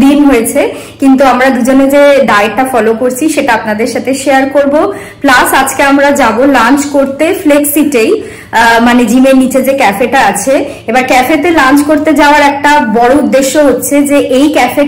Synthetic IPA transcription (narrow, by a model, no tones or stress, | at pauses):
inɦojet͡ɕʰekint̪uamɾad̪ud͡ʑoned͡ʑeɖajeʈːafɔlokoɾt͡ɕʰiʃeʈaapnad̪eɾʃat̪ʰeʃejaɾkoɾbo | plasad͡ʑkeamɾad͡ʑabolant͡ɕkoɾt̪efleksiʈej | maned͡ʑimeɾnit͡ɕed͡ʑekɛfeʈaat͡ɕʰe | ebaɾkɛfet̪elãnt͡ɕkoɾt̪ed͡ʑaoaɾɛk̚ʈabɔɽoud̪ːeʃːoɦotːɕʰed͡ʑeʔejkɛfe